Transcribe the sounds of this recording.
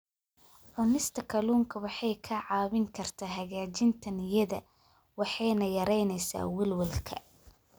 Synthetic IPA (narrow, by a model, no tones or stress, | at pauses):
ʕʊnɪst̪ʰɐkʰɐluːŋkʰɐwɑħɑjkʰɐʕɑːβɪŋkʰɐrt̪ʰaːɦɐɣaːt͡ʃɪnt̪ʰɐnjɐðɐ | wɑħɑjnɐjɐɾɛjnɛjsa̰ːwɐlwɐlkʰɐ̰